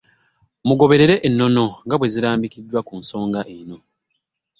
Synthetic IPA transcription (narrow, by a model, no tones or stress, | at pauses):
muɡo̞βe̞ɾe̞ɾe̞ʔenːo̞no̞ŋɡaβwe̞ziɾaːmbikidːwakunso̞ːŋɡaʔeno̞